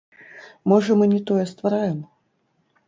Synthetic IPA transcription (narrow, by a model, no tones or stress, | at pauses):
mɔʐɐmɨnʲɛt̪ɔjɛst̪vaɾajɛm